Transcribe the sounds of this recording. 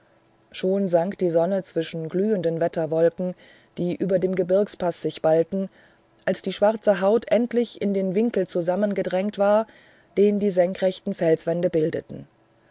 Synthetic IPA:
ʃoːnzaŋkd̥iːzɔnət͡sv̥ɪʃn̩ɡlyːəndənvɛtɐvɔlkŋ̩ | d̥iːʔyːbɐdeːmɡəbɪɐkspasz̥ɪçb̥altn̩ | ʔalsd̥iːʃv̥aʁt͡səɦaʊtʰʔɛntlɪçɪndeːnvɪŋkl̩t͡suzamənɡədʁɛŋtv̥aːɐ | d̥eːndiːzɛŋkʁ̥ɛçtn̩fɛlsv̥ɛndəbɪldə̰tn̩

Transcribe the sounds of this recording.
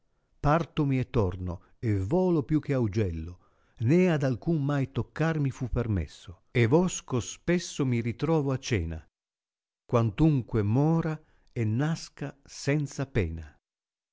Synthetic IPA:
part̪omiɛt̪ːɔrno | ɛvɔːlopjuk̟ːeawd͡ʒɛlːo | nɛad̪alkuŋmajt̪okːarmifupːɛrmɛ̰sːo | evɔskospɛsːomiɾit̪ɾɔːvoat͡ʃːɛ̰ːna̰ | kwant̪uŋkwemɔːɾa | ɛnːaskasɛnt̪sapɛ̰ːna

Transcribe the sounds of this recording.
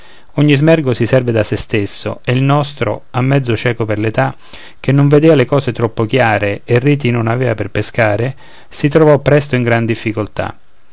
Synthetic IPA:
ɔɲːizmɛrɡosisɛrved̪asest̪esːo̰eilnɔst̪ɾo̰amːɛd̪zːot͡ʃɛːkoperlet̪a | k̟enːoɱved̪eːvalekɔːset̪ɾɔpːokjaːɾeːrːiːt̪inonavɛːvaperpeskaːɾe | sit̪ɾovɔpːɾɛst̪oiŋɡɾand̪ifːikolt̪a̰

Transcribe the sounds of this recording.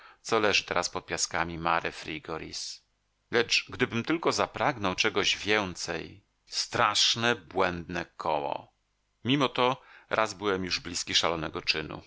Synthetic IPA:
t̪sɔlɛʐɨt̪ɛɾaspɔt̪̚pʲjaskamʲimaɾɛfɾʲiɡɔɾḭs | lɛt͡ʂɡd̪ɘbɘmt̪ɘlkɔzapɾaɡnɔwt͡ʂɛɡɔʑvʲjɛnt̪sɛj | st̪ɾaʂnɛbwɛnd̪nɛkʰɔwɔ̰ | mʲimɔt̪ɔɾʔazbɘwɛmjuʐblʲiskʲiʂalɔnɛɡɔt͡ʂɘnṵ

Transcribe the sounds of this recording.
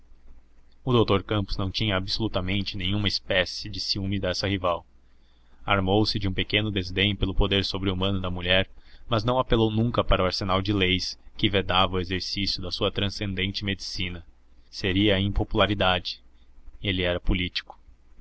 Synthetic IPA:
ʊd̪owt̪oɾkɐ̃pʊz̥nɐ̃w̃t͡ʃĩɲɐːbsolut̪ɐmẽnt͡ʃɪnẽɲ̃ũmɐɪspɛsɪd͡ʒɪsiũmid̪ɛsɐhivaw | aɾmowsɪd͡ʒɪũpekẽnʊd̪ezd̪ẽj̃ʊpelʊpod̪eɾsobɾɪumɐ̃nʊd̪ɐmuʎɛɾmɐznɐ̃w̃apelownũŋkɐpaɾɐʊaɾsenawd͡ʒɪlejskɪved̪avɐʊezeɾsisjʊd̪ɐsuɐt̪ɾɐ̃sẽnd̪ẽnt͡ʃɪmed͡ʒisĩnɐ | seɾiɐĩpopulaɾid̪ad͡ʒɪ | elɪɛɾɐpulit͡ʃi̥kʊ̥

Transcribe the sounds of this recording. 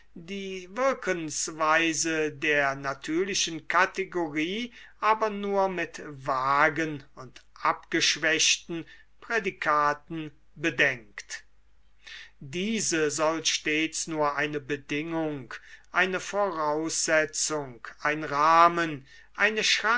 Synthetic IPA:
diːvɪɐkʰəŋsvaɪzədeːɐnatʰyːɐlɪʃən̩kʰateɡoʁiːʔaːbɐnuːɐmɪtvaːɡənʊntʔapɡ̥əʃv̥ɛʃtn̩ | pʁ̥edikʰaːtn̩ | bədɛŋkt | diːzəzɔlʃteːt͡snuːɐʔaɪnəbədɪŋʊŋkʔaɪnəfoʁaʊsz̥ɛt͡sʊŋkʔaɪnʁaːmən | ʔaɪnəʃʁa

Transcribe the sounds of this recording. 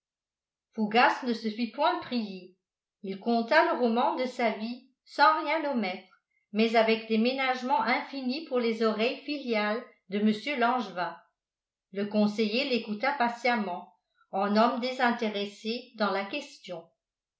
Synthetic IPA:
fuɡasnəsəfipwɛ̃pχije | ilkɔ̃t̪aləʁɔmɑ̃d̪əsavi | sɑ̃ʁjɛ̃lɔmɛt̪χ | mɛzavɛkd̪emenaʒmɑ̃ʔɛ̃finipuʁlezɔʁɛjfiljal | d̪əməsjølɑ̃ʒvã | ləkɔ̃sejelekut̪apasjamɑ̃ | ɑ̃nɔmd̪ezɛ̃t̪eʁesed̪ɑ̃lakʲɛst̪jɔ̃

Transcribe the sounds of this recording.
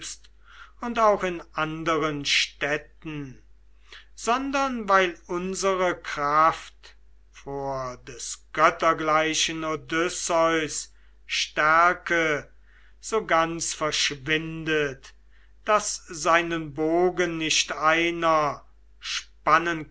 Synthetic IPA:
pst | ʊntaʊxɪnʔandəʁənʃtɛtn̩ | z̥ɔndɐnvaɪlʊnzəʁəkʁ̥aft | foːɐdɛsɡ̥œtɐɡlaɪʃənodʏsɔʏs | ʃtæɐkə | z̥oːɡant͡sfɛɐʃvɪndət | d̥aszaɪnənboːɡənːɪʃtaɪnɐ | ʃpanən

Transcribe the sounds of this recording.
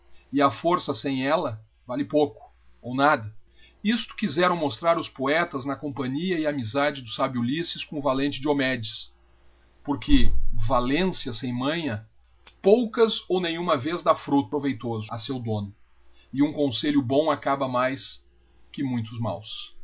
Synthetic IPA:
ɪɐfoɾsɐsẽj̃ɛlɐ | valɪpowkʊ̥ | ownad̪ɐ | ist̪ʊ̥kizɛɾɐ̃w̃most̪ɾaɾʊspoɛt̪ɐznɐkõpɐ̃ɲiɐɪamizad͡ʒɪd̪ʊsabjulisɪskõʊvalẽnt͡ʃɪd͡ʒɪomɛd͡ʒɪs | poɾkʰɪvalẽsjɐsẽj̃mɐ̃j̃ɐ | powkɐzownẽj̃ũmɐvezd̪afɾut̪pɾovejt̪ozʊɐsewd̪õnʊ | ɪũkõseʎjʊbõw̃akabɐmajs | kɪmũj̃t̪ʊzma̰ws

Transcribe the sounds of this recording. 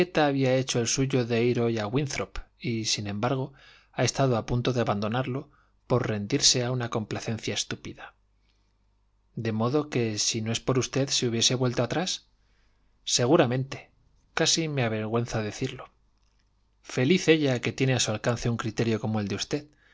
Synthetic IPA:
et̪aːβiae̞t͡ʃo̞elsuʝo̞ðe̞iɾo̞jaɣwinθɾopisinẽ̞mbaɾɣ̞o̞ | ae̞st̪aðoapunt̪o̞ðeaβand̪o̞naɾlo̞ | po̞ɾre̞nd̪iɾse̞aunako̞mplaθe̞nθjae̞st̪upiða | d̪e̞mo̞ðo̞ke̞sino̞espo̞ɾust̪e̞ðseuβje̞se̞βwelt̪oat̪ɾas | e̞ɣ̞uɾamẽ̞nt̪e̞̥ | kasimeaβe̞ɾɣ̞we̞n̟θaðe̞θiɾlo | fe̞liθe̞ʎake̞t̪je̞neasualkanθe̞uŋkɾit̪e̞ɾjo̞ko̞moeld̪eust̪e̞ð

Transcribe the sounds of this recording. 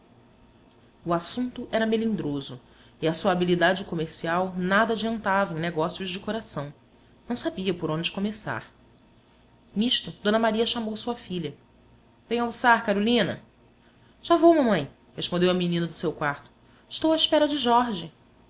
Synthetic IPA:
uasũnt̪ʊʔɛɾɐmelĩd̪ɾozʊ | ɪɐsuɐabilid̪ad͡ʒɪkomeɾsiawnad̪ɐad͡ʒiɐ̃nt̪avɐẽj̃neɛɡɔsiʊzd͡ʒɪkoɾasɐ̃w̃ | nɐ̃w̃sabiɐpoɾõd͡ʒɪkomesa̰ɾ | niʃt̪ʊd̪õnɐmaɾiɐʃamowsuɐfiʎɐ | vẽj̃ɐwsaɾkaɾolĩnɐ̰ | ʒ̥avowmɐmɐ̃j̃ | heʃpõnd̪ewɐminĩnɐd̪ʊsewkwaɾt̪ʊ̥ | ɪʃt̪owaiʃpɛɾɐd͡ʒɪʒɔɾʒɪ

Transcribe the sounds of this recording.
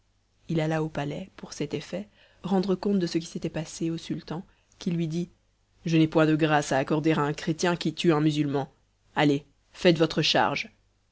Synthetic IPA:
ilalaopalɛpuʁsɛt̪efɛ | ʁɑ̃d̪ʁəkɔ̃t̪̚d̪əsək̬ʲi̥set̪ɛpaseosylt̪ɑ̃ | kʲilɥid̪i | ʒənɛpwɛ̃d̪əɡʁasaːkɔʁd̪eʁaɛ̃kχet̪jɛ̃kʲit̪yɛ̃myzylmɑ̃ | ale | fɛt̪vɔt̪χəʃa̰ʁʒ

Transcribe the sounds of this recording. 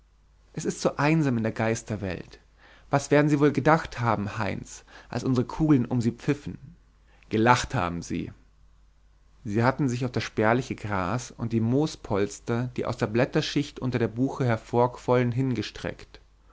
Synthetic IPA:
ʔɛsɪstz̥oːʔaɪnzaːmɪndeːɐɡaɪstɐvɛ̰lt | vasv̥eːɐdn̩ziːvoːlɡədaχthaːbm̩haɪnsʔa̰lsʔʊnzəʁəkʰuːɡlənʊmziːp͡fɪfn̩ | ɡ̥əlaχtha̰ːbm̩zḭː | ziːhatn̩zɪçaʊfd̥asʃb̥ɛːɐlɪçəɡʁa̰ːsʊ̰nt̚d̥iːmoːspʰɔlstɐd̥iːʔa̰ʊsd̥eːɐblɛtɐʃɪçtʔʊntɐdeːɐbuːxəhɛɐfoːɐkv̥ɔlənɦɪnɡəʃtʁ̥ɛ̰kt

